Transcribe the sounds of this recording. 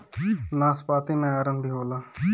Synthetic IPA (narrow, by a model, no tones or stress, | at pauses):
naːspaːt̪iːmɛ̃ːaːɾənd̪iːɦoːlaː